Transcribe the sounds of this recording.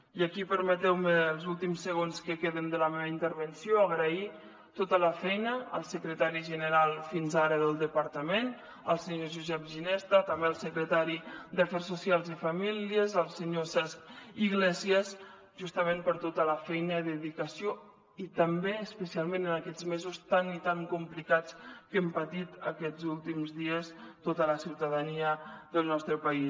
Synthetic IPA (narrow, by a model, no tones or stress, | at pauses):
iəkipəɾmət̪ɛwməːlˠzulˠt̪imsəɣonskəkeðənd̪ələmeβəint̪əɾβənsijoəɣɾəi | t̪ot̪ələfɛjnəə̰lˠsəkɾət̪aɾiʒənəɾalˠfinzaɾəðəlˠd̪əpəɾt̪əmen | əlˠsəɲoʒuzɛp̚ʒinɛst̪ət̪əmbeəlˠsəkɾət̪aɾid̪əfɛrsːusialˠzifamiliəzəlˠsəɲosɛspiɣlɛziəs | ʒust̪əmẽmpəɾt̪ot̪ələfɛjnəðəðikəsio | it̪əmbeəspəsialˠmenənəkɛd͡zmezust̪anit̪aŋkumplikat͡skəmpət̪it̪əkɛd͡zulˠt̪imzðiəst̪ot̪ələsiwt̪əðəniəðəlˠnɔst̪ɾəpəi